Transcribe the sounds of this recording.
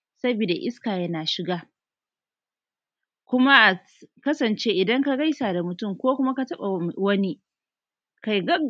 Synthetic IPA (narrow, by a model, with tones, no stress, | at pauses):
sɐ˦bi˨da˨ʔɪ˦skaː˨jɐ˦naː˨ʃɪ˨ɡaː˦ | kʷʊ˦ma˦ʔa˨ | kɐ˦sɐ˨nt͡ʃeː˦ʔɪ˨dɐ˦ŋka˦ɡa˦jsaː˨da˨mʊ˨tʊ˦˨mkʷoː˦kʷʊ˦ma˦ka˦tɐ˦ɓa˨wɐ˦ni˦ | ka˨jɡɐ˦